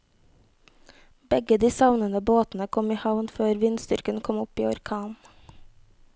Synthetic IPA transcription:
bɛɡəd̪iːsɑʋnənəboːt̪n̩əkʰɔmiːhɑʋnføːɾʋɪnst̪ʏɾkənkʰɔmʊpiːɔɾkʰɑːn

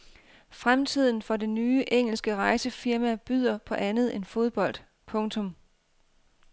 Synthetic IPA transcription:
fʁamt͡sʰið̞̰ˠn̩fɒ̽de̝nyːʔeŋ̰l̩sɡ̥əʁɑ̈ɪsəfiɐmæb̥yð̰ˠɐpʰɒ̽ʔænð̞̩ˠe̝nfo̝ð̞ˠb̥ɒ̽l̰d̥ | pʰɔ̽ŋt͡sʰɔ̽m

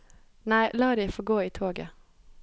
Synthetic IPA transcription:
næɪʔlɑːɾæɪfoɡoːiːt̪ʰoːɡə̰

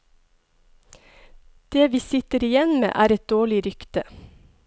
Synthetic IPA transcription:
d̪̥eːʋiːsɪt̪əɾɪjɛnmḛːʔæːɾɛt̪̚d̪oːɭɪɾʏkt̪ə

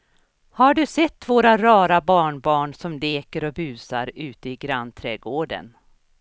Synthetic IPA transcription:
haɖɵsɛt̪ːvoːɾaɾɑːɾabɑːɳbɑːɳsɔmd̪eːkəɾɔbʉ̟ːsaɾʉ̟ːt̪əɪɡɾanːt̪ʰɾɛɡoːɖə̰n

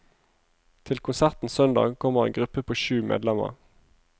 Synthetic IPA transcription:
t̪ʰɪlkʰʊnsæʁt̪n̩sœnd̪ɑ̰ːɡkʰɔməʁḛːŋɡʁʉpəpʰoːʃʉːmʔḛːd̪lɛmə̰ʁ

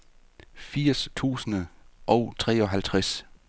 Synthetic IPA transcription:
fiɐ̰st͡sʰṵːsənəʔɒ̽ʊt͡sʰʁɛ̰ːɒ̽ɦælt͡sʰʁas

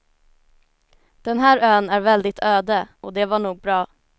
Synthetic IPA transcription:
d̪̥ɛnɦæːɾøːnæɾvɛld̪ɪt̪ʰøːd̪əʔɔd̪ɛvaɳuːɡ̚bɾɑː

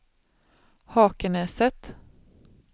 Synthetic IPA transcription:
hɑːkənɛːsət̪

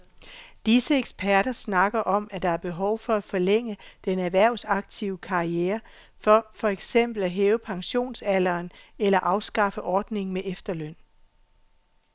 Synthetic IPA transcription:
d̥isəeɡ̥spʰæɐ̰ɾ̥ɐsnɑ̈ɡ̥ɐʔɒ̽mæd̥ɑ̈æɐb̥e̝ɦɒ̽ʊfɒ̽æfɒ̽leŋ̰əd̥enæʋæɐ̰ʊsɑ̈ɡ̥̚t͡sʰiʊkʰɑ̈ieːɐ | fɒ̽fɒ̽eɡ̥sem̰b̥l̩æɦeːʊəpʰɑ̈ŋɕo̝̰ːnsælɐːnelɐʔɑ̈ʊsɡ̥ɑ̈fəʔɒːd̥ne̝ŋ̩meʔefd̥ɐløn̰

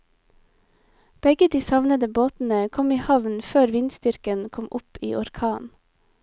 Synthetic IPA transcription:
b̥ɛɡəd̪iːsɑʋnəd̪əboːt̪n̩əkʰɔmiːhɑʋn̩føːɾʋɪnst̪ʏɾkənkʰɔmʔʊpḭːʔɔɾkʰɑːn

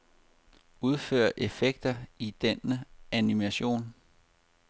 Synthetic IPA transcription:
uð̞ˠfø̰ːɐʔe̝feɡ̥̚d̥ɐid̥enəʔænimæɕo̝̰ːn

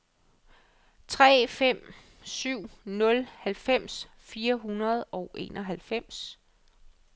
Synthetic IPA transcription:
t͡sʰʁɛ̰ːfem̰ | syʊ̰nɔ̽lhælfem̰s | fiːɐɦunɐð̞̩ˠɒ̽ʊʔe̝̰ːnʔɒ̽ɦælfem̰s

